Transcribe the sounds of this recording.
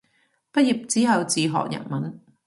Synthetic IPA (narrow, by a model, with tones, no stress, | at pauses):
pɐ˥t̚ji˨˩p̚t͡siː˨˥ɦɐ˨wt͡siː˨ɦɔ̰ː˨k̚jɐ̰˨n̚mɐ˨˥˦n